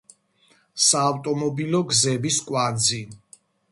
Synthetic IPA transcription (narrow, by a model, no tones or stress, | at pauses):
saːvt̪ʼɔmɔbilɔɡzɛbiskʼwad̪zi